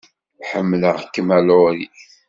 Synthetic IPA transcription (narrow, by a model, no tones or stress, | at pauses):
ħəmːləʁkːmælʊɾiθ